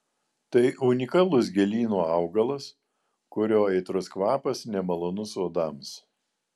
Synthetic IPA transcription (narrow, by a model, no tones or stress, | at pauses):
t̪ɐɪʊnʲɪkɐlˠʊs̬ɡʲɛlʲiːnoːɑʊɡɐlˠɐs | kʊɾʲoːɛɪt̪ɾʊskʋɑːpɐsnʲɛmɐlˠoːnʊsoːd̪ɑms